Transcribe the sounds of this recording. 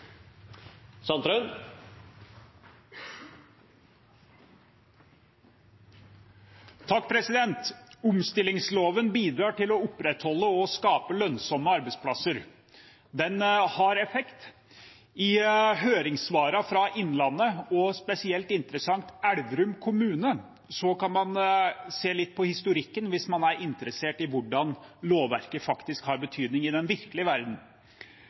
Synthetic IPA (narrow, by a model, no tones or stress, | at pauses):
sɑnt̪ɾœn | t̪ʰɑk̚ːpʰɾɛsɪd̪ɛnt̪ʊmst̪ɪlɪŋsloːʋənbiːd̪ɾɑːʈɪlɔʊpɾɛt̪hɔlːəɔskɑːpəlœnsɔməɑɾbəɪspʰlɑsəɾ | d̪ɛnhɑɾɛfɛkt̪ | ɪɦøːɾɪŋsʋɑːɾɑfɾɑʔɪnːlɑnːəɔspɛsɪɛlt̪ɪnt̪ɾəsɑŋt̪æɽdɾʉmkʰʊmʉːnə | sɔkɑnmɑnseːlɪt̪̚ːpʰɔhɪst̪ʊɾɪkːənʋɪsmɑnæɾɪnt̪əɾəseːʈɪʋʊɖɑnloːʋʋæ̰ɾkəfɑkt̪ɪskhɑɾbət̪ʰyːd̪nɪŋɪd̪ɛnʋɪɾkəlɪəʋæɾd̪n̩